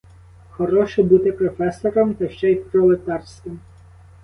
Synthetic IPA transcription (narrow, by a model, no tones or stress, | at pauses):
xɔɾɔʃɛbut̪ɪpɾɔfɛsɔɾɔmt̪ɐʃt͡ʃɛipɾɔlˠet̪ɑrsʲkʲɪm